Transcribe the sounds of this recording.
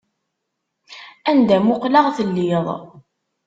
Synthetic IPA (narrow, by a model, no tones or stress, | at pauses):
ænd̪æmʊqləʁθəlːiðˤ